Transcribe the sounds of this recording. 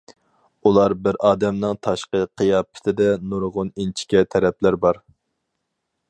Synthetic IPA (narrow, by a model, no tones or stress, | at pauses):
ulˠɑɾbɪɾɑːd̪ɛmnɪŋt̪ʰɑʃqəqʰɨjɑːpʰɪ̥t̪ʰɪd̪ɛnuɾʁʊnint͡ʃʰi̥kʲɛt̪ʰɛɾɛplæɾbɑɾ